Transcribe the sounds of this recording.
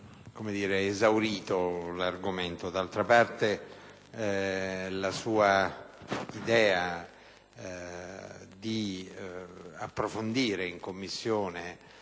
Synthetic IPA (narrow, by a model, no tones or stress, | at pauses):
komed̪iːɾeːzawɾiːt̪olarɡoment̪od̪alt̪ɾapart̪e | lasuːa | id̪ɛːa | d̪i | apːɾofond̪iːɾeiŋkomːisːjoːne